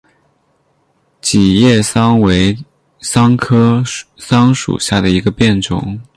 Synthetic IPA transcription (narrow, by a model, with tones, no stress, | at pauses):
t͡ɕi˨˩jɛ˥˩sɑ˥ŋwe˧˥ɪ | sɑ˥ŋkʰɤ˥sɑ˥ŋʂṵ˨˩ɕja˥˩d̪ə˩i˧˥ɡə˧pjɛ˥˩nʈ͡ʂʊ̰˧˥˦ŋ